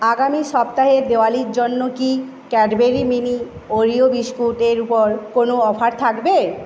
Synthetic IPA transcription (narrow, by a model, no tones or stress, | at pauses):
aɡamiʃɔbt̪aɦed̪eoaliɾd͡ʑonːoki | kɛʈbeɾimini | oɾiobiʃkuʈeɾupoɾkonoɔpʰaɾt̪ʰakbe